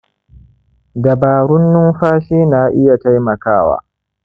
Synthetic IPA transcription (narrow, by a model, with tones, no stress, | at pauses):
dɐ˨baː˨ɽʊ˦nːʊ˦mɸaː˦ʃiː˦naː˨ʔɪ˦ja˨ta˦jmɐ˨kaː˦˨wa̰ː˦